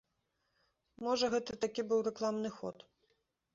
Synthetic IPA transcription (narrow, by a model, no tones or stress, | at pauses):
mɔʐɐɣɛt̪ɨt̪akʲibɨwɾɛklˠamnɨxɔ̰t̪